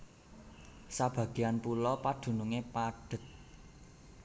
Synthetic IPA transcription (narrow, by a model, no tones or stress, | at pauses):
sab̥ä̤ɡ̥ianpulɔpad̪̥ṳnuŋepaɖ̥ə̤t̪̚